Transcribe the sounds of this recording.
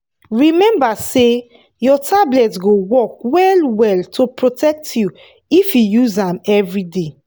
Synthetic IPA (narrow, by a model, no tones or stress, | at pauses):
ɹimɛ̃mbase | jɔtʰablɛtɡowɔk̚wɛlwɛltʰopɹotɛk̚tʰju | ifjujuzãmɛvɹide